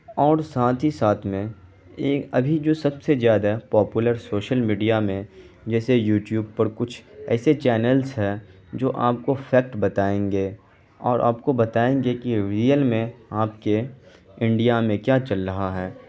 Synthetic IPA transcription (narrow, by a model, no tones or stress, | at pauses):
ɔːɾsaːt̪ʰɦisaːt̪ʰmẽ | eːkɐbʱid͡ʒoːsɐbsezjaːd̪apɔːpʊləɾsoːʃəlmiːɖijamẽ | d͡ʒɛːsejuːʈjuːb̚pɐɾkʊt͡ʃʰɛ̰ːset͡ʃɛːnəlzɦɛ | d͡ʒoːʔaːp̚kofʰɛːk̚ʈbɐt̪aːẽːŋɡeː | ɔːɾʔa̰ːpkobɐt̪aːẽːŋɡekiɾiːjəlmẽaːpkeɪ̃ɳɖijamẽkjaːt͡ʃɐlɾɐɦaɦɛː